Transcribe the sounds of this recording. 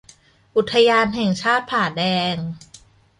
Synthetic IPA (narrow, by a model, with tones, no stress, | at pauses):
ʔu˨˩t̪ʰːa˧jaː˧nɦɛ˨˩ŋt͡ɕʰaː˥˩t̪̚pʰaː˨˩dɛː˧ŋ